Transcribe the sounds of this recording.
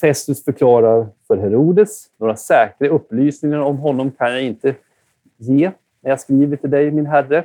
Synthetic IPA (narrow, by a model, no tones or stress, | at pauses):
fɛst̪ɵsfœɾkʰlɑːɾaɾfœɾɦɛɾuːd̪əsnoːɾasɛːkɾaɵpːlyːsnɪŋaɾɔmɦɔnːɔmkʰanjaɪnt̪ə | jeː | næɾjaskɾiːvəʈʰɪld̪ɛjmɪnɦærːə